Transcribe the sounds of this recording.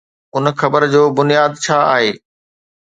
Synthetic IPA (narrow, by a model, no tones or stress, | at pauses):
ʊnxɐbəɾd͡ʑoːbʊnijaːd̪t͡ɕʰaːa̰ːɦeː